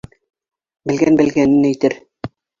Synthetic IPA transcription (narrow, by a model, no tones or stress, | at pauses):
bɘ̆lɡænbɘ̆lɡænɘnæjt̪ɘɾ